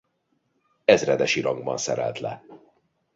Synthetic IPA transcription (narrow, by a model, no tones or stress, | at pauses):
ɛzrɛd̪ɛʃiɾɒŋɡbɒnsɛɾɛlt̪lɛ